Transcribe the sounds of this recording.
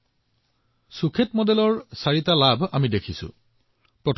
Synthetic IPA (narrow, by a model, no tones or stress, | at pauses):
sukʰetmɔdɛlɔɹsaɹitalabamidekʰisʊ̰ | pɹɔtʰ